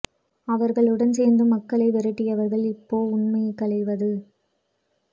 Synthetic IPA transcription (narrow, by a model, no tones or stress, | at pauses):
ɐʋɐɾɣɐɭɯɽɐnseːɾnd̪ɯmɐkːɐɭɐɪʋɪɾɐʈːɪjɐʋɐɾɣɐɭɪpːoːʊɳmɐjɐkːɐɭɐɪʋɐðɯ